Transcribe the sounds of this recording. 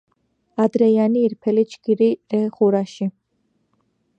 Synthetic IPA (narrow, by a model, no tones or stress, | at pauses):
ad̪ɾɛjaniːɾpʰɛlit͡ʃkiɾiɾɛχuɾaʃi